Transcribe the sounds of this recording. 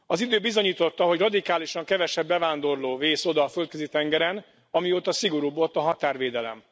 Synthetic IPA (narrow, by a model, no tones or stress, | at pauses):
ɒzid̪øːbizo̞ɲiːt̪o̞t̪ːɒɦo̞ɟrɒd̪ikaːliʃɒŋkɛvɛʃɛbːɛvaːnd̪o̞rloːveːso̞d̪ɒːfø̞lt̪køzit̪ɛŋɡɛɾɛn | ɒmioːt̪ɒsiɡo̞ɾuːbo̞lt̪ɒɦɒt̪aːrʋeːd̪ɛlɛ̰m